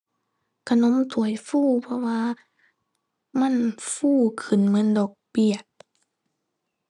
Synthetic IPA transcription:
kʰa˧˨no˧˦˥mt̪ʰu˨˦ə˦jfuː˥˨pʰɔ˧waː˧ | ma˧˥˨nfuː˧˩˨kʰɯ˨˩nmɤ˧˥˨ndɔː˨˩k̚pi˨˩ət̚

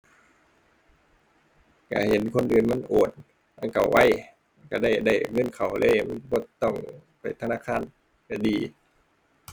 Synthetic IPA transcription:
ka̰˧˩he˨˦nkʰo˧˥˨nʔɯː˨˩nma˧˥˨nʔoː˨˩n̚ | ma˧˥˨nka˨˩wwʔa˧˥˨j | ka˧˩da˧˩˨jda˧˩jŋɤ˧˥˨nkʰa˨˩wlʔɤː˧˥˨ma˧˥˨bɔː˧˩˦t̪ɔ˧˩ŋ | pa˨˩jt̪ʰa˧naː˧˥˨kʰaː˧˥˨n | ka˧˩diː˨˧˦

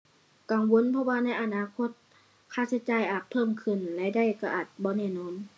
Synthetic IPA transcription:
ka˨˩ŋwo˧˥˨npʰɔ˧waː˧na˧˥jʔa˧˨naː˧˨kʰo˧˥t̪̚ | kʰaː˧˥˩sa˧˩jt͡ɕaː˨˧˩jʔaː˨˩t̪̚pʰɤː˧˥˨mkʰɯ˧˩˨nlɛ˧da˧˩˨jka˧˩ʔaː˨˩t̪̚bɔː˧˦nɛː˧˩˨nɔː˧˥˨n

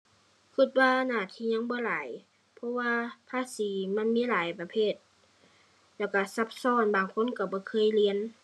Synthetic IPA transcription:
kʰi˧˩t̪̚waː˧naː˧˩t̪ʰiː˧˨ɲa˧˥˨ŋbɔː˧˦laː˨˦j | pʰɔ˧˥waː˧pʰaː˧˥˨siː˨˦ma˧˥˨nmiː˧˥˨laː˨˦jpa˧pʰeː˧˥˨t̪̚ | lɛː˧˩wka˧˩sa˧˦p̚sɔː˧˥˨nbaː˨ŋkʰo˧˥˨nka˧˩bɔː˧˦kʰɤː˧˥˨jli˧˨ə˨n

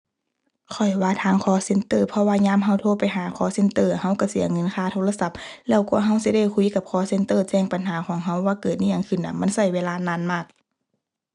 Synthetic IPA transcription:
kʰɔ˨˩jwaː˧˥t̪ʰaː˧˥˨ŋkʰɔː˧˦se˧˨nt̪ɤː˧˩pʰɔ˧waː˧ɲaː˧˥˨mɦa˧˩˨wt̪ʰoː˧˨pa˨jɦaː˨˦kʰɔː˧˦se˧˨nt̪ɤː˧˩˨ha˧˥˨wka˧˩si˨˩˦ɐ˦ŋɤ˧˥˨nkʰaː˧˩t̪ʰoː˧˨la˧sa˧˥p̚lɛː˧˩wkɔː˧˩˦ɦa˧˥˨wsi˧˦da˧˩˨jkʰu˧˥jka˧˦p̚kʰɔː˧˦se˧˥nt̪ɤː˧˨t͡ɕɛː˧˨ŋpa˨nɦaː˨˦kʰɔː˨˦ŋɦa˧˥˨wːaː˧kɤː˨˩t̪̚niː˧˨aː˧˨ŋkʰɯ˧˩˨nːʔa˧˩ma˧˥˨nsa˧˩˨jweː˧laː˧naː˧˥˨nmaː˧˩k̚

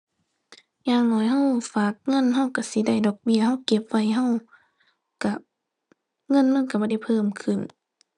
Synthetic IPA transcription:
ɲaː˧˩ŋnɔː˨˧˦jɦa˧˥˨wfaː˨˦k̚ŋɤ˧˥˨nɦa˧˥˨wka˧˩si˧˦da˧˩˨jdɔː˨˩k̚bi˧˩ɐha˧˥˨wke˧˦p̚ʋa˧˩˨jɦa˧˥˨w | ka˧˩ | ŋɤ˧˥˨nːaː˧˥˨ka˧˩bɔː˧˦da˧˥˨jpʰɤː˧˨mkʰɯ˨˩˨n

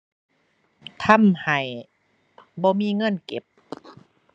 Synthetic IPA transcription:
t̪ʰa˧˥˨mha˨˩j | bɔː˧miː˧˥˨ŋɤ˧˥˨nke˨˦p̚

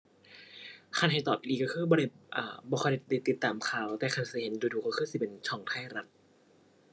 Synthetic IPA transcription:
kʰa˧˨nɦa˨˩jt̪ɔː˨˩p̚ʔiː˧˩ka˧˩kʰɯː˧˥˨bɔː˧ɾa˧˩ʔaː˧bɔː˧ɔ˧˩da˧˩da˧˩t̪i˧˦t̪ːaː˨˦mkʰaː˨˩wt̪ɛː˨˩kʰa˧˩nsi˧˦he˨˦nduː˧duː˧˩ka˧˩kʰɯː˧˥˩si˧˦pe˧˨nt͡ɕʰɔː˧˩˦ŋt̪ʰaː˥˩jɾa˧˥t̪̚

